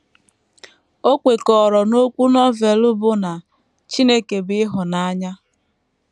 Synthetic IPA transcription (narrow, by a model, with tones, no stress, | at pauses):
o˦kʷe˨kɔː˨ɾɔ˨no˦kʷu˦nɔ˦ve˨lʊ˦bʊ˦na˨ | t͡ʃi˦ne˦ke˨bɪ˦ɦʊ˨na˦ɲa˦